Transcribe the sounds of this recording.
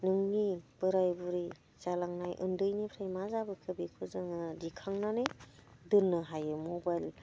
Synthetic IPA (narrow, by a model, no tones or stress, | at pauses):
nɯŋnib̥ɯɾajbuɾi | zalaŋnajʔɯ̰ndɯjnipʰɾajmazabɯkʰɯbikʰuzɯŋɯdikʰaŋnanɯdɯnːɯɦajɯmobajl